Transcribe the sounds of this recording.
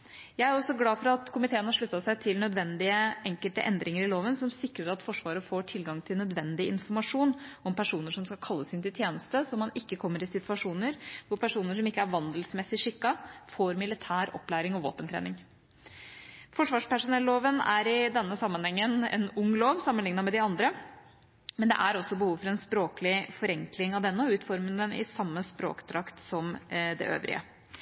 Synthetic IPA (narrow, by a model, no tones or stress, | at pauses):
jæɪæɾɔsɔɡlɑːfɔɾɑt̪kʰʊmɪt̪ʰeːənhɑʂɭʉt̪ːɑsæɪt̪ʰɪlnœd̪ʋɛnd̪ɪəʔɛŋkəlt̪ə̰ʔɛnd̪ɾɪŋəɾɪloːʋənsɔmsɪkɾəɾɑt̪fɔʂʋɑːɾəfoːʈʰɪlɡɑŋt̪ʰɪlnœd̪ʋɛnd̪ɪɪnfɔɾmɑʂuːnɔmpʰæʂuːnəʂɔmskɑlkʰɑlːəsɪnt̪ɪlt̪ʰjeːnəst̪əsɔmːɑnɪkːəkʰɔmːəɾɪsɪt̪ʋɑʂuːnəɾʋʊɾpʰæʂuːnəʂɔmɪkːəæɾʋɑnd̪əlsmɛsɪʂɪkːɑfoːɾmɪlɪt̪ʰæːɾɔ̰pːlæːɾɪŋɔʋo̰ːpənt̪ʰɾḛːnɪŋ | fɔʂʋɑːʂpæʂʊnɛlːoːʋənæ̰ɾɪd̪ɛnːəsɑmːənhɛŋːənɛ̰nʊŋloːʋsɑmːənlɪŋnɑmɛd̪ɪɑnd̪ɾə | mɛnd̪ɛ̰ʔæɾɔsːɔbəhuːʋfɔɾɛnspɾoːkəlɪfɔɾɛŋklɪŋɑʋd̪ɛnːəɔʉːt̪fɔɾmənd̪ɛnɪ̰sɑmːəspɾo̰ːkt̪ʰɾɑkt̪sɔmd̪ɛ̰ʔø̰ːʋɾɪ̰ə̰